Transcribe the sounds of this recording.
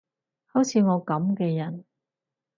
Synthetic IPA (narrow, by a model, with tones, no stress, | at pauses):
ho˨˥wt͡sʰiː˨˧ŋɔː˨˧kɐ˨˥mkɛː˧jɐ˨˩n